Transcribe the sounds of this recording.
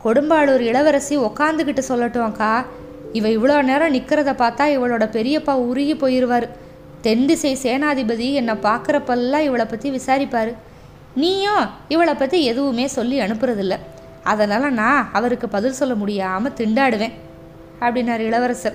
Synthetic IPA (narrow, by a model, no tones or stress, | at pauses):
kɔɽʊmbaːɭɔɾɯɪɭɐʋɐɾɐsiɔkːaːnd̪ɯkɪʈːɯsɔlːɐʈːõːkaː | ɪʋɐ̃ɪʋɐɭoːneːɾɐ̃nɪkːɯɾɐðɐpaːɾt̪ãːɪʋɐɭoːɽɐpɛɾɪjɐpːaːʊɾɪjipːoːjɪɾɯʋaːɾɯ | t̪ɛɳɖɯsɛjseːnaːɐðɪbɐðiɛnːɐpaːɾkɯɾɐpɐllːãːɪʋɐɭɐpːɐt̪ːiʋɪsaːɾɪpːaːɾɯ | niːjõːɪʋɐɭɐpːɐt̪ːiɛðɯʋɯmeːsɔlːiɐɳɯpːɯɾɐðɪlːɐ | ɐðɐnaːlɐnãːɐʋɐɾɯkːɯpɐðɪlsɔlːɐmʊɽɪjaːmɐt̪ɪɳɖaːɽɯʋẽː | ɐpːɐɽɪnːaːɾɯɪɭɐʋɐɾɐsɐ